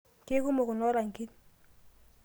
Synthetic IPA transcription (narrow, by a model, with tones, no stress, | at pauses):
ke˦ku˦mo˨kʊ˨nɔ˦ɾa˨ŋki˦t̚